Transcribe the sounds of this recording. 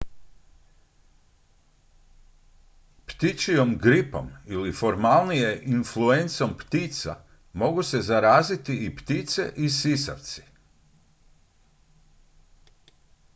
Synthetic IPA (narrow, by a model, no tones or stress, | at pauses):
pt̪it͡ʃijo̞mɡɾipo̞̰milifo̞ɾmalnije̞ʔinfluent̪so̞mpt̪it̪sa̰ | mo̞ɡuse̞zaɾaːzit̪iipt̪it̪se̞̰ʔisisa̰wt̪si̥